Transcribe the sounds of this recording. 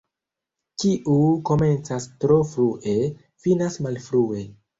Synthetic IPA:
t͡ʃiʔuko̞me̞nt͡sastɾo̞fɾuʔe̞ | finasmalfɾue̞

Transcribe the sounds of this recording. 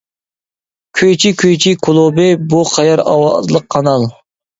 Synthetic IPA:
kʲʰøjt͡ʃʰikʲʰøjt͡ʃʰikʰolˠubɪbuqʰɑjɑɾɑ̰wɑzlˠəqʰːɑnɑlˠ

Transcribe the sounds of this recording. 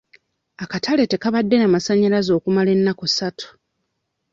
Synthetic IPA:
akatʰale̞te̞kaβadːe̞namasaɲːalazo̞ːkumale̞nːakosatʰu̥

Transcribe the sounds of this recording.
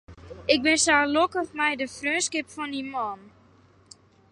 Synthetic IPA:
ɪk̚bɪnsaːlokəχmɛjdəfrøːnskɪpfɔnimɔːn

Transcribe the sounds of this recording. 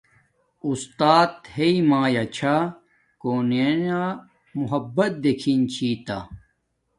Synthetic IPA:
ust̪aːt̪heimaːjat͡ɕʰa | koːnena | muɦɐbːɐt̪̚d̪ekʰint͡ɕʰiːt̪a

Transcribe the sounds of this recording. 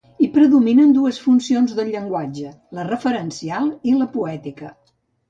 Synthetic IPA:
ipɾəðuminənd̪uəsfunsionzðəlʎːəŋɡwad͡ʒə | lərəfəɾənsialˠiləpuɛt̪ikə

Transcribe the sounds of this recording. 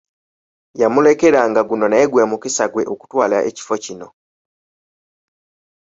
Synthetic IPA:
jamule̞ke̞ɾaŋɡaɡuno̞naːɡwemukisaɡwe̞ʔoku̥twaːlaʔḛci̥fo̞cino̞

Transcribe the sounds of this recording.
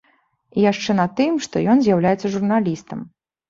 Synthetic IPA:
ijaʂt͡ʂɛnɐt̪ɨmʂt̪ɔjɔnzʲjawlʲajɛt̪sːɐʐurnalʲist̪ɐm

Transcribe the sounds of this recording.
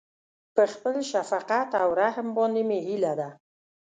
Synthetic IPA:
pəχpəlʃafaqat̪awɾaɦəmbɔnd̪emehilad̪a

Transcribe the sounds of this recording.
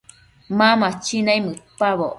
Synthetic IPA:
mamat͡ʃinajmɨpaβo

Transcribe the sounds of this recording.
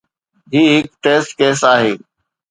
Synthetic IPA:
ɦiːɦɪkʈeːsʈkeːsaːɦeː

